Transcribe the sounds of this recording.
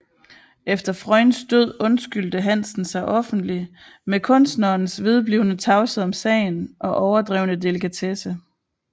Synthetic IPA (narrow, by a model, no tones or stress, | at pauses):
efd̥ɐfʁɒɪ̰nsd̥øð̞̰ˠɔ̽nsɡ̥yl̰d̥əɦæn̰sn̩sɑ̈ɪʔɒ̽fn̩d̥li | mekʰɔ̽n̰sd̥nɐːnsʋið̞ˠb̥liʊnət͡sʰɑ̈ʊsəɒ̽msɛ̰ɪnʔɒ̽ʔɒʊɐd̥ʁɛ̰ːʊnəd̥e̝lekʰæt͡sʰesə